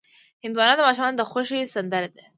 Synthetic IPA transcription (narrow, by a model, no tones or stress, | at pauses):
hɪnd̪wɑnɑnd̪əmɑʃumɑnod̪əxoʃesand̪aɾad̪e